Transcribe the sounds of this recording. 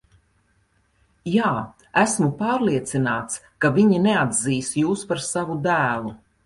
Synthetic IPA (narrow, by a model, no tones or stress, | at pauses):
jaː | æsmupaːɾliɛt̪sinaːt̪s | kaviɲinead̪ziːsjuːspaɾsavud̪æːlˠu